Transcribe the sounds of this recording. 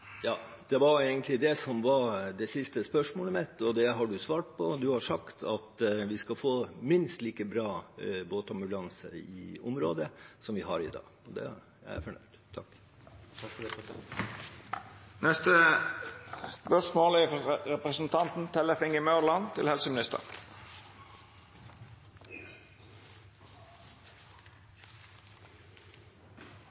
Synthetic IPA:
jɑːd̪̥ɛʋɑɾeɪɡənt̪ʰlɪd̪ɛsɔmʋɑɾd̪ɛsɪst̪əspœʂmoːləmɛt̪ːɔd̪ɛɦɑɖʉsʋɑːʈ̚pʰɔd̪ʉhɑʂɑkt̪ʰɑt̪ʋɪskɑfoːmɪnst̪liːkəbɾɑːboːt̪ɑmbʉlɑnsə̰ɪ̰ʊmɾo̰ːd̪əsɔmʋɪɦɑɾɪ̰d̪ɑ̰ːɡɔd̪ɛ̰ | jææ̰ɾfɔɳœʏd̪̥t̪ʰːɑ̰kː | t̪ʰɑkfd̪ɛɔt̪ | nɛst̪ə | spœʂmoːlɪɾɛpɾəsn̩t̪ʰɑnt̪n̩t̪ʰɛləfɪŋəmœːʁlɑnt̪ʰɪlhɛlsəmɪnɪst̪ə̰ɾ

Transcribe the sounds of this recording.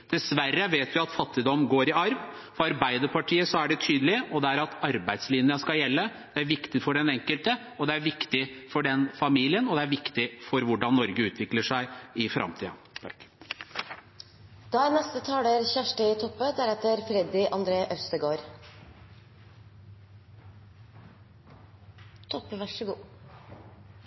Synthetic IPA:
d̪̥ɛsʋærːəʋeːt̪ʋɪɑt̪fɑt̪ːɪd̪ɔmːɡoːɾɪɑɾʋ | fɔɾɑɾbæɪd̪əɾpɑʈʰiːəsɔæɖɛt̪ʰyːd̪əlɪɔd̪ɛæɾɑt̪ɑɾbæɪd̪slɪnəəskɑljɛlːəd̪̥ɛæɾʋɪkt̪ɪfɔɖɛnɛŋkəlt̪ə | ɔd̪ɛæɾʋɪkt̪ɪfɔɖɛnfɑmiːlɪənɔd̪ɛæɾʋɪkt̪ɪfɔɾʋʊɖɑnːɔɾɡəʉːt̪ʰʋɪkləʂæɪɪfɾʔɑ̰mt̪ʰḭːɑ | d̪̥ɑːæɾnɛst̪ət̪ʰɑːləɾçæʂʈəɪt̪ʰɔpːəd̪æɾɛt̪əɾfɾɛd̪ɪʔɑnd̪ɾeːʔœst̪əɡoːɾ | t̪ʰɔpːʋæʂəɡuː

